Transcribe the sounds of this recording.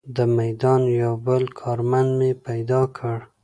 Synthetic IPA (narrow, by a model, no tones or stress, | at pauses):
d̪əmajd̪ɑnjawbəlkʰɑɾmand̪mepajd̪ɑkʰəɽ